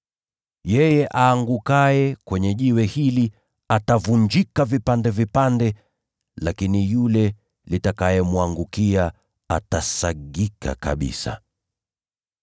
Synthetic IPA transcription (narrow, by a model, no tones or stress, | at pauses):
jɛjɛʔaːŋɡukajɛkwɛɲɛʄiwɛhili | atavuɲd͡ʒikavipandɛvipandɛ | lakinijulɛ | litakajɛmwaŋɡukia | atasaɡika̰ka̰ɓḭsa̰